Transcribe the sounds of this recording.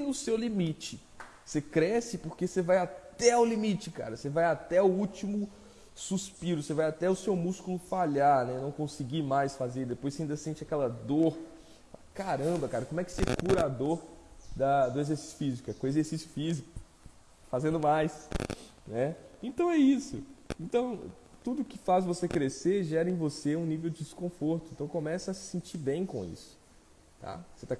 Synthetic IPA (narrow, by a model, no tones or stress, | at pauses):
nʊsewlimit͡ʃɪ | sekɾɛsɪpoɾkesevajat̪ɛʊlimit͡ʃɪka̰ɾɐsevajat̪ɛʊut͡ʃimʊ | suspiɾʊsevajat̪ɛʊsewmuskulʊfaʎaɾnɛnɐ̃w̃kõsiɡimajsfazeɾd̪epojseaĩd̪ɐsẽnt͡ʃɪakɛlɐd̪oɾ | kaɾɐ̃bɐkaɾɐkõmʊɛkɪ̥sekuɾɐad̪oɾd̪ɐd̪ʊezeɾsi̥sjʊ̥fizikʊɛkõezeɾsisjʊfizikʊ̥ | fazẽnd̪ʊmajs | nɛẽt̪ɐ̃w̃ɛisʊ̰ẽnt̪ɐ̃w̃ | t̪ud̪ʊkɪfazvosekɾeseɾʒɛɾɐẽj̃voseũnivewd͡ʒɪd͡ʒɪskõfoɾt̪ʊẽt̪ɐ̃w̃kõmɛsɐːsɪ̥sẽt͡ʃibẽj̃kõḭsʊ̥ | t̪a̰oset̪a